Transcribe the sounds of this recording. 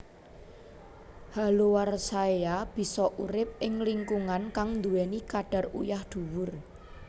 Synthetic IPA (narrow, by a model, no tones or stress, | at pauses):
halowarsaeab̥i̤sɔʔuɾɪp̚ɪŋliŋkuŋankaŋnd̪uɛnikaɖ̥a̤rṵjahd̪̥ṳwʊr